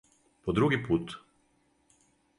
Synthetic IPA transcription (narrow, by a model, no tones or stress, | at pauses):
pɔd̪ɾuɡiput̪